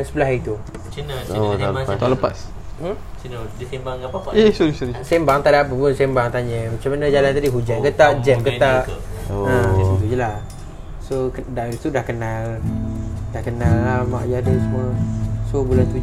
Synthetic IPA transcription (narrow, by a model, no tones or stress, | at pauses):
ansəbəlaɦit̪u | t͡ʃnot̪aəat̪aləpas | baŋisoɾisoɾisembaŋt̪aʔdap̬əpunsembaŋt̪aɲəmat͡ʃamanəd͡ʒalant̪adiɦud͡ʒankət̪aʔd͡ʒɛmkət̪aʔ | oət̪ud͡ʒəla | sokədaʔit̪udahkənal | daʔkənalːama̰ʔjadəsəmuəsobulant̪u